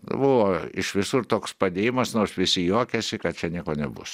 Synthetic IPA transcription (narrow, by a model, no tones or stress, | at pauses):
bʊʋoːɪʃʋʲɪsʊrt̪oːkspɐd̪ʲeːjɪmɐsnoːsʋʲɪsʲɪjoːkʲɛsʲɪkɐt̪̚t͡ʃʲɛnʲiɛkoːnʲɛbʊ̰s